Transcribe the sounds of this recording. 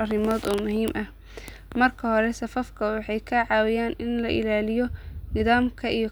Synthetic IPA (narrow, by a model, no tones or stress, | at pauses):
ɐrɪmɔːd̪ɔːmʊɦiːmʔɐh | mɐrkʰɐhɔɾɛsɐfɐfkʰɐwɑħɑjkʰɐʕɑːwɪjaːnɪnlɐʔɪ̰laːlɪjɔnɪðaːmkʰɐʔijɔ